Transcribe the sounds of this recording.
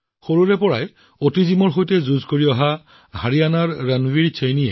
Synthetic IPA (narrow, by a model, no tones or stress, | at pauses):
xoɹuɹɛpɔɹaj | otizimɔɹxojtɛzuzkoɹiɔɦa | haɹianaɹːanwiɹit͡ʃʰejniɛ̰